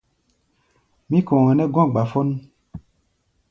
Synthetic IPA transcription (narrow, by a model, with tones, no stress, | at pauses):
mĩ˦kɔ̃˨ŋɛ˨nɛ˦ɡɔ̃˦˨ɡ͡ba˨fo˦n